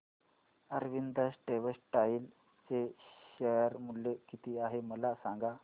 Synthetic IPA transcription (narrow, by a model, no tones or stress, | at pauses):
əɾʋind̪əsʈeʋəsʈail | t͡seɕejɾmulːekit̪iːaɦeməlasaŋɡa